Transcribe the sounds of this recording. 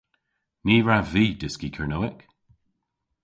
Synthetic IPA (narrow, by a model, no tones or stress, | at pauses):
niːɹaviːdɪskikʰəɹnoɪk